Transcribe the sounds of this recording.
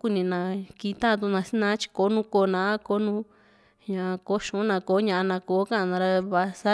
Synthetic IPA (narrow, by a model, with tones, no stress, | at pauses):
ku˦nĩ˧nã˧ki˧t̪a˦˧t̪̬u˧nã˧si˦nã˦t͡ʃi̥˧ko˨˦nũ˦ko˧nã˧˦a˦ko˦nũ˦ | ɲã˨˧ko˧˦ʃũ˨˦nã˧˨ko˨˦ɲã˧a˧nã˧koː˨˦kã˦˧nã˧ɾa˧βa˧sa˦